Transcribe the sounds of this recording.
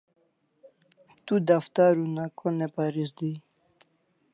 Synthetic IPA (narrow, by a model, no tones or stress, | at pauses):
t̪ud̪aft̪aɾunakʰonepaɾisd̪i